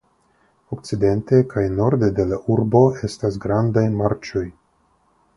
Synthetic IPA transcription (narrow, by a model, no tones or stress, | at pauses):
okt͡side̞nte̞kajno̞ɾde̞de̞laʔuɾbo̞e̞stasɡɾandajmaɾt͡ʃo̞j